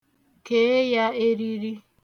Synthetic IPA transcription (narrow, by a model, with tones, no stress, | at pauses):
kɛ˦jae˦ɾiɾi˦